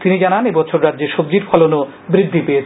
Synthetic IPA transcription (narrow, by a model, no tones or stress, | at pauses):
t̪inid͡ʑananebɔt͡ɕʰoɾɾad̪ːd͡ʑeɾʃob̚d͡ʑiɾfʰɔlono | bɾid̪ʱːipeet͡ɕʰ